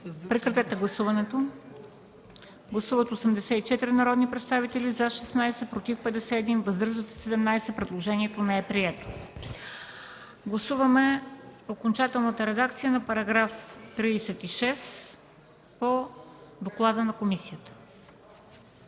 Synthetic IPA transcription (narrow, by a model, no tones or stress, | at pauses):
pɾɛkɾɐt̪ɛt̪ɛɡlˠɐsuvɐnɛt̪o | ɡlˠɐsuvət̪osɛmd̪ɛsɛit͡ʃɛt̪iɾinɐɾɔd̪nipɾɛt̪st̪avit̪ɛlizɐʃɛsnajsɛpɾot̪ifpɛd̪ɛsɛːd̪invɐzd̪ɤɾʒət̪ɛ̥sɛd̪ɛmnajsɛpɾɛd̪lˠoʒɛniɛt̪onɛɛpɾiɛt̪o̥ | ɡlˠɐsuvəmɛokont͡ʃat̪ɛlˠnət̪əɾɛd̪akt̪sijənɐpɐɾɐɡɾaft̪ɾiːsɛt̪iʃɛs | pod̪oklˠad̪ənɐkomisijət̪ə̥